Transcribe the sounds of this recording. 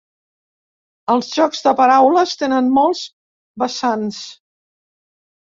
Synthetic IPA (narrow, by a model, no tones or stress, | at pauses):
əlˠzʒɔkzðəpəɾawləst̪enənmɔlˠz | bəsans